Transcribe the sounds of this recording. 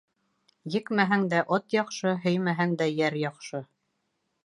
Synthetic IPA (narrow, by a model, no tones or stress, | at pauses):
jɘ̆kmæɦæŋd̪æʔot̪jɑqʃɤɦɵjmæɦæŋd̪æjæɾjɑqʃɤ